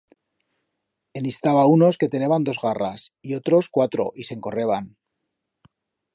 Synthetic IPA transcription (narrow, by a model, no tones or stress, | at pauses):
e̞nist̪aβauno̞ske̞t̪e̞neβand̪o̞zɣara̰sio̞t̪ɾo̞skwat̪ɾo̞̰ʔise̞ŋko̞re̞βan